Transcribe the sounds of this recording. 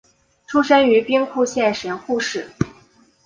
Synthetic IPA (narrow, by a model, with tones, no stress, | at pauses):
ʈ͡ʂʰu˥ʂə˥ny˧˥pi˥ŋkʰu˥˧ɕjɛ˥˩nʂə˧˥nxu˥˧ʂɻ̩˥˩